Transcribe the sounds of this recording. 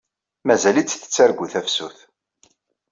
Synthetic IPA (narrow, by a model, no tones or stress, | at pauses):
mæzælit͡sːθə̥t͡sːæɾɡʷuθæfsuθ